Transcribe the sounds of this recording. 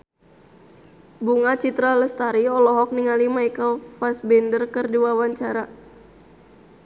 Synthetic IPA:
buŋat͡ʃit̪ɾaləst̪aɾiɔlɔɦɔk̚niŋalimaikalfasbɛndərkərduwawaɲt͡ʃaɾa

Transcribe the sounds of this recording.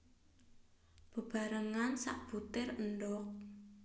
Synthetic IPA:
b̥ə̤b̥a̤ɾəŋansa̰ʔb̥ut̪ɪrənɖɔk̚

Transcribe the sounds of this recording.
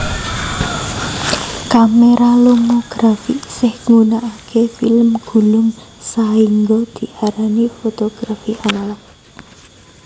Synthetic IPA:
kameɾalomoɡ̥ɾafḭsɪhŋunaʔakʰefiləmɡ̥ṳlʊmsaiŋɡɔd̪̥i̤ʔaɾanifot̪oɡ̥ɾafiʔanalak

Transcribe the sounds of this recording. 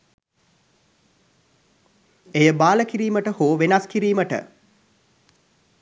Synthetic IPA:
ejəbaːləkiɾiːməʈəhoːʋenaskiɾiːməʈə̰

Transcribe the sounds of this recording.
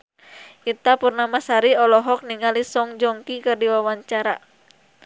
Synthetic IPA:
ʔit̪apurnamasaɾiɔlɔɦɔk̚niŋalisɔŋd͡ʒɔŋkikɨrdiwawaɲt͡ʃaɾa

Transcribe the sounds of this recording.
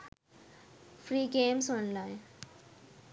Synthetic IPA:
fɾiːɡemsɔnlãj

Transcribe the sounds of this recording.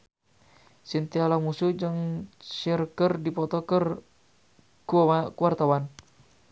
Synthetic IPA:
sint̪ialamusud͡ʒɨŋsirkərdipɔt̪ɔkər | kuaakuwart̪awan

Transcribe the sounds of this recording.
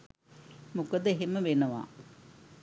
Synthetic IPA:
mukəd̪əeɦemːəʋenəʋa̰ː

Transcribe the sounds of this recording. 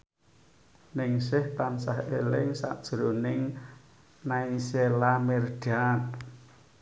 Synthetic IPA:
nɪŋsɪhp̪ansahʔelɪŋsa̰ʔd̥ʒ̥ɾonɪŋ | naiselamerd̥an

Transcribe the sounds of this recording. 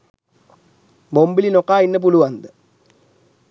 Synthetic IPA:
bombilinokːaːinːɨp̬uluʋɐnd̪ɨ

